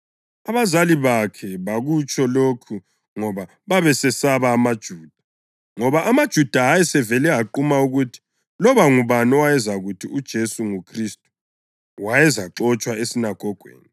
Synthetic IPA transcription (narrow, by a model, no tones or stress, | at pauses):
aβazaliβakʰɛβaɣut͡ʃʼɔlokʰu | ŋɔβa | βaβɛsɛsaβaːmad̥ʒ̥ʱuːd̥ʱa | ŋɔβaʔamad̥ʒ̥ʱud̥ʱaɦajɛsɛvɛlɛɦaǃumauɣutʰi̥ | lɔβaŋuβanɔwajɛzaɣutʰiud̥ʒ̥ʱesuŋukʰristʼu̥ | wajɛzaǁɔt͡ʃʼwaesinaɡ̥ʱɔɡ̥ʱwḛːni